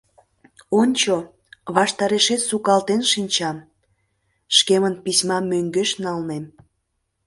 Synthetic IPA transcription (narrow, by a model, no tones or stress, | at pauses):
onʲt͡ɕo | βɑʃt̪ɑɾeʃet̪sukɑlt̪enʃinʲt͡ɕɑm | ʃkemənpisʲmɑmøŋɡeʃnɑlnem